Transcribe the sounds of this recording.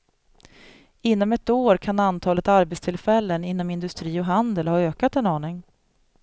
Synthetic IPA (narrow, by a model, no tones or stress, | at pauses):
ɪnːɔmɛt̪oːɾkʰanant̪ʰɑːlət̪aɾbɛt̪st̪ʰɪlfɛlːənɪnːɔmɪnd̪ɵst̪ɾiːɔɦand̪əlhɑːøːkat̪ɛnɑːɳɪŋ